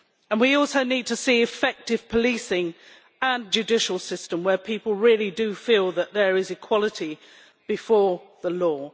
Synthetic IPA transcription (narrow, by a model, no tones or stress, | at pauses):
ə̃nwiɔˑlˠsoʊniːd̚tʰəsiːɪfɛk̚tɪv̥pʰəliˑsɪ̃ŋ | ə̃nd͡ʒʉdɪʃəl̩ˠsɪstə̃mwə˞pʰiˑpəl̩ˠɹɪəlidɨfiːlˠðəʔ̪ðəɹɪzɨkʰw̥ɒlˠəti | b̥ɨfɔːɹðəlɔː